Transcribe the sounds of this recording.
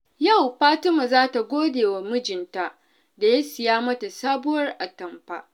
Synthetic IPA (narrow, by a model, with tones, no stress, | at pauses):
ja˦˨wɸaː˦tʊ˦ma˨zaː˦ta˨ɡʷoː˦deː˨wa˨mʊ˦d͡ʒɪ˨nta˦ʔ | da˨ja˦sɪ˨jaː˦mɐ˦ta˨saː˦bʊ˦wɐ˦rʔa˨tɐ˨mɸa̰ː˦ʔ